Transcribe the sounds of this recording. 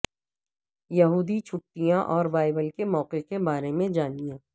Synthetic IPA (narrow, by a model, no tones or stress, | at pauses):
jɐɦuːd̪it͡ʃʰʊʈːijãʔɔːɾbaːɪbəlkemɔːqekebaːɾemẽd͡ʒaːniẽ